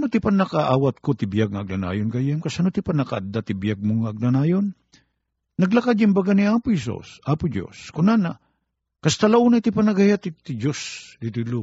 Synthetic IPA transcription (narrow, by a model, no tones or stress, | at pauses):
anot̪ɪpanɐkaʔaːwat̪̚kot̪ɪbijaɡ̚ŋaɐɡ̚nana̰ːjonɡajɛmkasɐnot̪ɪpanɐkaʔɐd̪at̪ɪbijaɡ̚moŋaːɡ̚nanaːjonː | ɐɡlakad̪ɪmbaɡaniaːpʊhɛs̬ṵsʔaːpʊd͡ʒo̰skʊnana | kɐst̪alauːnat̪ɪpanɐɡahjat̪ɪt̪ɪd͡ʒosd̪it̪ilu